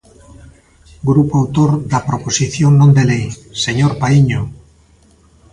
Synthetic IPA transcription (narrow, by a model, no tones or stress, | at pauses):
ɡɾupoawt̪oɾðapɾoposiθjoŋnõnd̪elejseɲoɾpaiɲo